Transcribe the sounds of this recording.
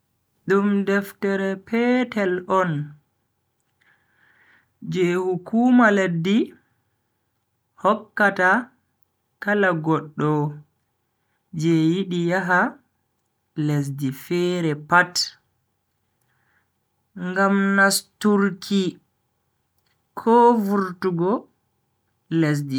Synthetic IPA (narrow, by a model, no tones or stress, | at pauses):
ɗumdɛftɛɾɛpʰɛtɛlɔn | d͡ʒɛhukʰuːmaledːi | hɔkːata | kalaɡɔɗːɔ | d͡ʒɛjiɗijaɦa | les̬difɛːɾɛpat | ŋɡamnastuɾkʰi | kʰɔvuɾtuɡɔ | les̬di